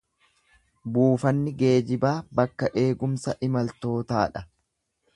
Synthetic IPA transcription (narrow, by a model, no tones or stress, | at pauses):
buːfɐnːɪɡe̞ːd͡ʒɪbaːbɐkːɐʔe̞ːɡʊmsɐʔɪmɐlt̪o̞ːt̪aːᶑɐ